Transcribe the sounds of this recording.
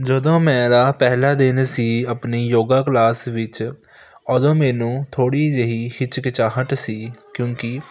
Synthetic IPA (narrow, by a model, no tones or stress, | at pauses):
d͡ʒəd̪õːmɛ̃ːd̪aːpɛːlaːd̪ensiːəpneːjoːɡaːklaːsʋɪt͡ʃ | ɔd̪õːmɛːnũːt̪ʰoːɽiːd͡ʒeɦiːhɪt͡ʃkɪt͡ʃaːɦəʈ̪siːkjõːkɪ